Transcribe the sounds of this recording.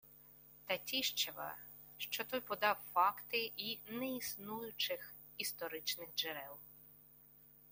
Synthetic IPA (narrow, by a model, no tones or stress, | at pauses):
t̪ɐtʲiʃt͡ʃeʋɐ̰ | ʃt͡ʃɔt̪ɔjpɔd̪ɑwfɑkt̪ɪʔinɛisnujʊt͡ʃɪx | ist̪ɔɾɪt͡ʃnɪxd͡ʒeɾɛlˠ